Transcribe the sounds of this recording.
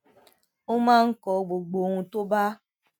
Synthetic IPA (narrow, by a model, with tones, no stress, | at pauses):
o˦ma˦ŋ̩˦kɔ˨ɡ͡bo˨ɡ͡bo˨ŋʷu˨to˦ba˦